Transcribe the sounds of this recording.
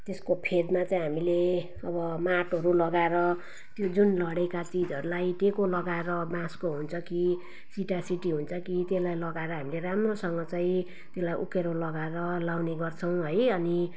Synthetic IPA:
t̪eskopʰed̪mat͡saĩɦamile | ʌbʌmaʈɦʌɾulʌɡaeɾʌ | t̪jod͡zunlʌɽekat͡sid͡zɦʌɾulajʈekolʌɡaeɾʌbãskoɦunt͡sʰʌki | siʈasiʈiɦunt͡sʰʌkit̪elajlʌɡaeɾʌɦamileɾamrosʌŋɡʌt͡saĩ | t̪elajʔṵkeɾolʌɡaeɾʌlawneɡʌrt͡sʰʌw̃ɦʌjʌni

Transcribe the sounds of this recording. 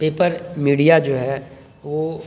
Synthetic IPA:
peːpəɾmiːɽijad͡ʒoːɦɛ | ʋo

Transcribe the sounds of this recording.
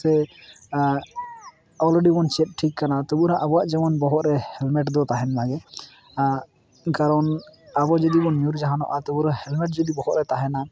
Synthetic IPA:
ɛ | ɔleɖibɔnt͡ʃɛp̪̚ʈʰikːanat̪ɔbuɾãʔabɔaʔd͡ʒɛmɔnbɔɦɔt̪ɾɛhɛlmɛʈd̪ɔt̪aɦɛnlaɡɛ | kaɾɔnabɔd͡ʒɔd̪ibɔnjuɾd͡ʒaɦanɔ̰ʔat̪ɔbuɾahɛlmɛʈ̚d͡ʒɔd̪ibɔɦɔt̪̚ɾɛt̪aɦɛna

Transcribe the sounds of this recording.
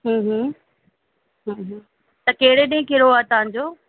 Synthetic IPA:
ɦə̃ːɦə̃ | ɦə̃ːɦ | t̪ɐkeɦɪɽeɗɪ̃ɦɪ̃kɪɾoaːet̪ɐʋãɲ̆d͡ʑoː

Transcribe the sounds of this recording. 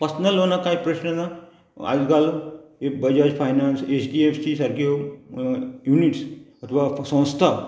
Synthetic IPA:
pɐɾsnəlɦoːnakaːipɾəʃnəɡ̪a | a̰ːlkaːlebɐd͡ʒaːd͡ʒpʰaːjnaːnseːt͡ʃɖieːpʰsisɐɾkjo | juːniʈsɐt̪ʰʋasə̃w̃st̪ʰaː

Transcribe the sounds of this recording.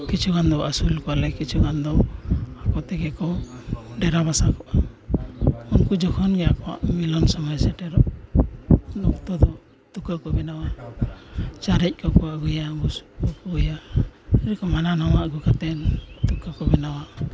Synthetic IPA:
kit͡ʃʰuɡand̪ɔʔasulkɔalɛkit͡ʃʰuɡand̪ɔakɔt̪ɛɡɛkɔ | ɖɛɾabasakɔʔ | unkud͡ʒɔkʰɔnɡɛjakɔwa̰ʔmilɔnsɔmɔjsɛʈɛɾɔʔ | nɔkt̪ɔd̪ɔ | t̪ukakɔbɛnawa | t͡ʃaɾɛc̚ˀkɔkɔwaɡujaɡusɔpuujaɛɾɛkɔmananɔwaʔɡukat̪ɛnt̪ukakɔbɛnawa

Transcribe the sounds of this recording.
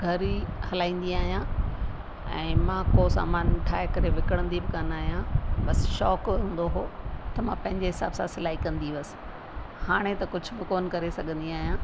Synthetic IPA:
ɡʱɐɾihɐlaːĩːn̆d̪iaːɦijã | ɛ̰̃ːmãːkosa̰ːmaːnʈʰaːekɐɾeʋɪkəɽ̃ə̃nd̪ibɪkanaːɦijãbɐsʃɔːkɪɦũːn̆d̪oɦoːt̪ɐmãpɐ̃ɦɪ̃ɲd͡ʑeɦɪsa̰ːbsãsɪlaːikɐ̃nd̪iʋɐsɪ̥ | haːɽ̃et̪ɐkʊd͡ʑʱʊ̆bɪkoːnkɐɾesɐɡʱə̃nd̪iaːɦijãː

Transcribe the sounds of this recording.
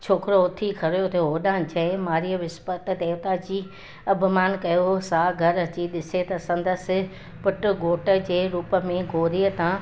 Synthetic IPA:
t͡ɕʰoːkɾoʊt̪ʰikʰɐɾjot̪ʰjoɦoːɗãːt͡ɕɐ̃ɪ̃maːɾiəʋɪspət̪d̪eːʋt̪ad͡ʑiː | ɐbʱʊmaːnkɐjoɦsaːɡʱɐɾɐt͡ɕiɗɪset̪ɐsɐ̃nd̪əsɪ̆ | pʊʈʊ̆ɡoːʈə̆d͡ʑeːɾuːpə̆mẽɡʱoːɾiət̪ã

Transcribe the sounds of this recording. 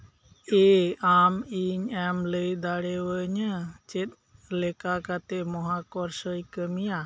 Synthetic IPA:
ɛamiɲɛmləjd̪aɽɛwəɲət͡ʃɛt̪̚ˀ | lɛkakat̪ɛmɔɦakɔɾsəjkəmija

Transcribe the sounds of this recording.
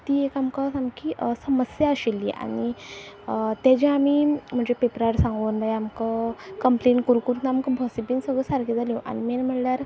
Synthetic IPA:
t̪iːekamkasamkiʔsəməsjaəɕilːḭʔa̰ɽ̃i | t̪ɛd͡ʑẽamim̤əɳd͡ʑepepɾaɾsãŋɡʋənd̪ajamkakəmpleɳkuɾkuɾnamkəbʱəsibiːnsəɡɭəsaɾked͡zaljõʔa̰ñimɛnm̤əɳljaɾ

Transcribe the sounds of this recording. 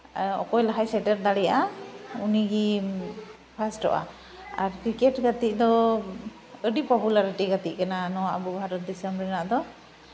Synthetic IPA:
ɔ̰kɔjlaɦajsɛʈɛɾd̪aɽijaʔauniɡi | pʰasʈɔ̰ʔa̰ | aɾkɾikɛtɡat̪iʔ̚d̪ɔ | əɖipɔɦulaɾatiɡat̪iʔkananɔwaʔabɔbʱaɾɔt̪̚disɛmbɾɛnad̪ɔ

